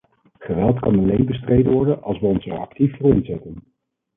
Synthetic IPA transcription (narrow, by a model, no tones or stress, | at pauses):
χəʋɛlˠtkɑnɑlejnbəstrejdənʋɔɹdənɑ̰lˠsʋəɔnsəɑ̰ktiffʊːrɪnzɛtən